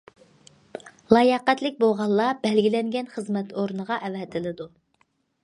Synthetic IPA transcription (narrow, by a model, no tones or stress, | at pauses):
lˠɑjɑqæt̪lɪk̚ʲbolˠʁɑlˠlːˠɑbɛlɡʲilɛŋɡʲɛnχəzmɛt̪ʰoɾnəʁɑʔɛvɛt̪ʰɪlɪd̪u